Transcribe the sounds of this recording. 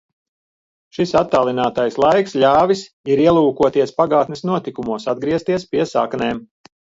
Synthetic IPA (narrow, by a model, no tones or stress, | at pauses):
ʃisat̪ːaːlˠinaːt̪ajslˠajkslʲaːvis | iɾiɛlˠuːkuɔt̪iɛspaɡaːt̪nɛsnuɔt̪ikumuɔsad̪̚ɡɾiɛst̪iɛspiɛsa̰kneːm